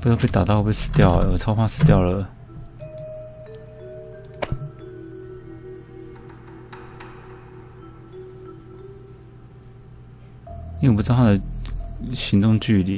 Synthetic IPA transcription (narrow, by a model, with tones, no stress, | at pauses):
pu˧˥jpe˥ɪt̪a˨˩t̪ɑ˥˧wɔ˨˩pe˥˩ɪʂɹ̩˥t̪jɑ˥˩ʊ̰˩wɔ˨˩ʈ͡ʂʰɑ˥ʊfʰa˥˧sɹ̩˥˧t̪jɑ˥˩ʊlə˩ | ĩ˥˧˨p̬̩̪ʰ˧˥˧a˥˩d̪ə˨˩ | ɕi˧˥ŋt̪ʊ˥˧ŋt͡ɕy˥˩lḭ˨˩